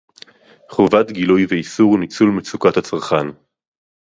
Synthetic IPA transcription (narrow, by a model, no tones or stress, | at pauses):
χovat̪ɡilujveisuʁnit͡sulmet͡sukathat͡saʁχan